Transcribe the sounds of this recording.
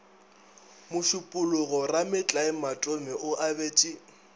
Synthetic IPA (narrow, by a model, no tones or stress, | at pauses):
mʊʃʊpʼʊlʊɣɔramɪt͡ɬʼaɪmatʼʊmɛʔʊʔabeːt͡ʃʼɪ